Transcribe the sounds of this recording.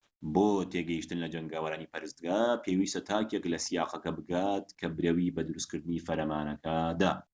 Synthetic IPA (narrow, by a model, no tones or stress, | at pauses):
boːt̪ʰeɡɐjiʃt̪ɨnlɐd͡ʒɐŋɡaːwɐɾaːnipʰɐɾɨst̪̚ɡaːpʰeːwiːst̪ɐt̪ʰaːkeklɐsijaːqɐkɐbɨɡaːt̪kʰɐbɨɾɐwibɐd̪ɨɾuskɨɾd̪ɨniːfɐɾɐmaːnɐkʰɐd̪a